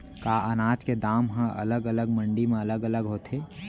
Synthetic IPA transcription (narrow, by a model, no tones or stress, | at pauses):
kaːʔənaːt͡ʃked̪aːmɦə̃ʔɐ̰ləɡələɡmə̃ɳɖimẽɐləɡələɡɦoːt̪ʰeː